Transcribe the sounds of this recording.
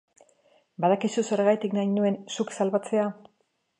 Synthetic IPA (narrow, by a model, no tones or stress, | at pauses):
baðakisuse̞ɾeɣajt̪iknajnue̞nsuksalβat͡se̞a